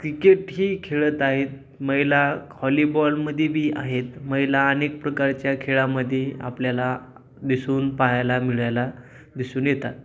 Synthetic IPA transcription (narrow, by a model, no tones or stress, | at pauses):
kɾikeʈɦiːkʰeɭət̪aɦet̪̚ | məjlahɔlibɔlməd̪ʱjebʱiːʔaɦet̪məjlaːnek̚pɾəkaɾt͡ɕjakʰeɭaməd̪ʱjea̰pljala | d̪isuːnpaɦajlamiɭajla | d̪isuːnjet̪at̪